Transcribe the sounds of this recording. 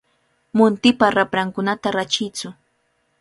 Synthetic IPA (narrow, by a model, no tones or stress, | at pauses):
mʊnt̪ɪpaɾapɾaŋkʊnat̪aɾat͡ʃɪjt͡sʊ